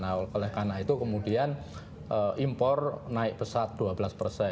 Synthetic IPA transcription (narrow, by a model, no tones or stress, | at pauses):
nakolɛhkanait̪ukəmudian | ʔəʔimpɔrnaɪk̚pəsat̪̚d̥uabəlaspərsɛ